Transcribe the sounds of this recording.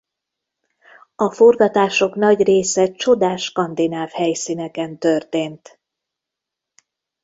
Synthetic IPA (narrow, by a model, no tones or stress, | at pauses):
ɒfo̞rɡɒt̪aːʃo̞kn̪ɒɟreːsɛt͡ʃo̞d̪aːʃkɒnd̪inaːvhɛjsinɛkɛnt̪ørt̪eːnt̪